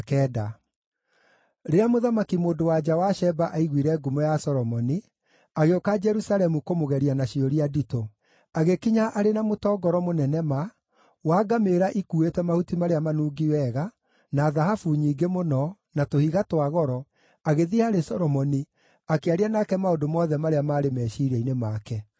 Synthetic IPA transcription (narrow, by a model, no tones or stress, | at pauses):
kɛːda | ɾeamoðamakimoːdowad͡ʒawaʃɛbaʔaiɣwiɾɛɡumɔjasɔɾɔmɔni | aɣeokad͡ʒɛɾusaɾɛmukomoɣɛɾianaʃiɔɾiadito | aɣekiɲaʔaɾenamotɔːɡɔɾɔmonɛnɛma | waːɡameɾaʔikuetwɛmahutimaɾeamanuːɡiwɛɣa | naðaɦafuɲiːɡemonɔ | natohiɣatwaɣɔɾɔ | aɣeðiaɾesɔɾɔmɔni | akeaɾianakɛmaodomɔðɛmaɾeamaːɾemɛːʃiɾɛinemakɛ